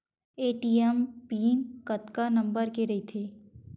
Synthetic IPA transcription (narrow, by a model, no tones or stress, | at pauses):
eːʈiːɛmpiːnkɐt̪kanɐ̃mbəɾkeɾɐɦit̪ʰeː